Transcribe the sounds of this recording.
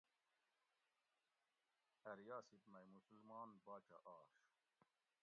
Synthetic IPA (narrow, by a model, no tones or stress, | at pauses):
ɐɾjaːsit̪mɐjmusulmɑːnbaːt͡ɕa̰ʔaːɕ